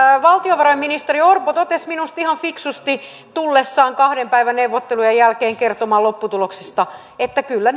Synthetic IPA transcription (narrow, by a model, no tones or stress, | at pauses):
ʋɑlt̪ioʋɑrɑjminist̪eriorpot̪ot̪esminust̪ihɑɱfiksust̪i | t̪ulːesːɑːŋkɑhdempæiʋænneuwʋːot̪ːelujɑjælkeːŋkert̪omɑːlopːut̪uloksist̪ɑ | et̪ːækylːæn